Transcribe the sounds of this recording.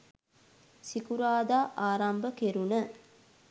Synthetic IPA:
sikuɾaːd̪aːʔaːɾambəkeɾunə

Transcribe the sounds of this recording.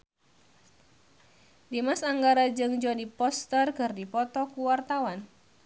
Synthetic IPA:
dimasaŋɡaɾad͡ʒɨŋd͡ʒɔdipɔst̪ərkərdipɔt̪ɔkuwart̪awan

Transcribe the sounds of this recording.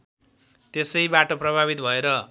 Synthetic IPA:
t̪esʌjbaʈʌprʌbʱaβit̪bʱʌeɾʌ

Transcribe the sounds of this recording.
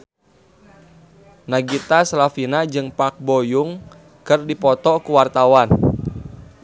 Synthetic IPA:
naɡit̪aslafinad͡ʒɨŋpak̚bojuŋ | kɨrdipɔt̪ɔkuwart̪awan

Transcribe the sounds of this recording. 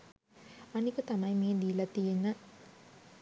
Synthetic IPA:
ɐnikut̪amɐjmied̪ijlat̪ijena

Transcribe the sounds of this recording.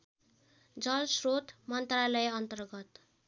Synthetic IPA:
d͡zʌlsrot̪mʌnt̪ralʌjeʌnt̪ʌrɡʌt̪

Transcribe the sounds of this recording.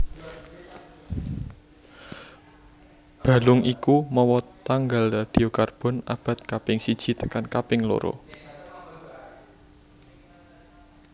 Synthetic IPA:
b̥ä̤lʊŋʔikumɔwɔt̪aŋɡalad̪̥i̤okarb̥ɔ̤na̰b̥a̤t̪̚kapɪŋsid̥ʒ̥i̤t̪əkankapɪŋlo̰ɾo̰

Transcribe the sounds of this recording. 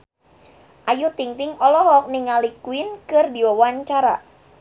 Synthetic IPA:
ʔajut̪iŋt̪ɪŋɔlɔɦɔk̚niŋalikuinkɨrdiwawaɲt͡ʃaɾa̰

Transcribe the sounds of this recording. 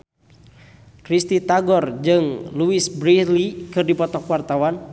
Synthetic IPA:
kɾist̪it̪aɡɔrd͡ʒɨŋluisbɾilikɨrdipɔt̪ɔkwart̪awan

